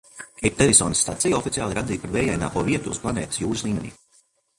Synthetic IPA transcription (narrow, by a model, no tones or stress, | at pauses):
ɛp̚t̪ɛɾisɔːnisːt̪a̰t̪sijɔfit̪sijaːlˠɾad̪iːpaɾvɛːjajna̰ːpuɔviɛt̪ṵːsplˠaneːt̪i̥sjuːɾslˠiːmenḭː